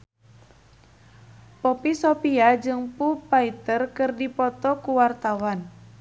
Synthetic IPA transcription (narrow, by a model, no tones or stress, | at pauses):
pɔpisɔpiad͡ʒɨŋpupait̪ərkɨrdipɔt̪ɔkuwart̪awan